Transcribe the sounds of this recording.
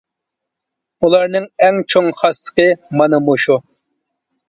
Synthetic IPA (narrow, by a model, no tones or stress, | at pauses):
ulˠɑɾnɨŋɛŋt͡ʃʰoŋχɑsə̥qəmɑnɨmuʃu